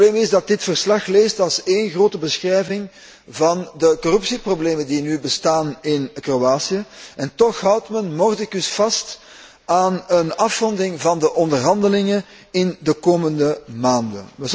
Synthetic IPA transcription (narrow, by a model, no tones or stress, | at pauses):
leːmɪzdɑt̚dɪtfərslɑxleːstɑlˠseːnɣroːtəbəsxrɛjvɪŋ | vɑndəkɔrɵpsiprobleːməndinybəstaːnɪnkroaːsiəɛntɔxɦʌwtmənmɔrtɪkʏsfɑst | aːnənɑfrɔndɪŋvɑndəʔɔndərɦɑndəlɪŋə | ɪndəkoːməndəmaːndə̰nə